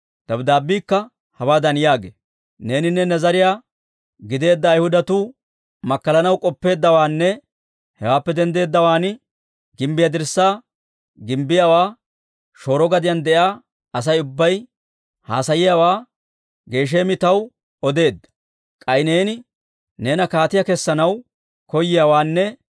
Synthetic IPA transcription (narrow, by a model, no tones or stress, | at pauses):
d̪̥ɐbd̪aːbːiːkːɐ | hɐwaːd̪ɐnjaːɡḛ | ne̞ːnɪnːɛnɛzɐɾɪjaː | ɡɪd̪e̞ːd̪ːɐːjhʊd̪ɐt̪uː | mɐkːɐlɐnɐwkʼɔpːe̞ːd̪ːɐwaːnːɛ | hɛwaːpːɛd̪ɛnd̪e̞ːd̪ːɐwaːn | ɡɪmbɪjad̪ɪɾsaː | ɡɪmbɪjawaː | ʃo̞ːɾɔɡɐd̪ɪjand̪ɛʔaː | ɐs̬ɐjʊbːɐj | ha̰ːsɐjɪjawaː | ɡe̞ːʃ̬e̞ːmɪt̪ɐw | ɔd̪e̞ːd̪ːɐ̥ | kʼɐjne̞ːnɪ | ne̞ːnɐkaːt̪ɪjakɛsːɐnɐw | kɔjɪjawaːnːɛ